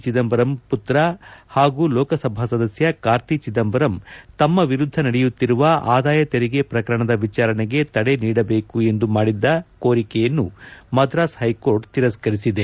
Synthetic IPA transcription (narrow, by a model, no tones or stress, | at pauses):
t͡ʃid̪ɐmbɐɾɐmput̪ɾɐhaːɡuːlɔːkɐsɐbʱasɐd̪ɐsjɐkaːɾt̪it͡ʃid̪ɐmbɐɾɐmt̪ɐmːɐʋiɾud̪ʱːɐnɐɽɛjut̪ːiɾuʋɐaːd̪aːjɐt̪eɾiɡe̞pɾɐkɐɾɐɳɐd̪ɐʋit͡ʃaːɾɐɳeɡe̞t̪ɐɽe̞niːɽɐbe̞ːkue̞nd̪umaːɽid̪ːɐkoːɾikɛjɐnːumɐd̪ɾaːshɐjko̞ːɾʈt̪iɾɐskɐɾisid̪e